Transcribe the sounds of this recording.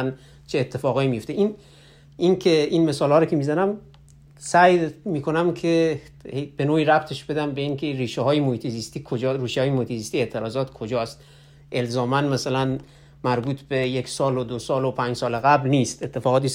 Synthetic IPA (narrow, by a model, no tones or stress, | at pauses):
n | t͡ʃʰeːt̪ʰːe̞fɒːɣɒːimijo̞ft̪eʔin | inkʰeinmesɒːlhɒːɾokʰemizænæm | sæjmiːkʰonæmkʰe | hebe̞noːiɾæbt̪ʰeʃb̥e̞d̪æmbeiːŋkʰeriːʃeɦɒːjemohiːt̪ʰezist̪ikʰod͡ʒɒɾiːʃeɒːjemohiːt̪ʰezist̪iːe̞ːt̪ʰeɾɒːzɒːt̪kʰod͡ʒɒːst̪ | ʔe̞lzɒːmænmæsælæn | mæɾbuːt̪ʰbejekʲsɒːlod̪osɒːlopʰænd͡ʒsɒːleɣæblniːst̪et̪ʰːefɒːɣɒːt̪is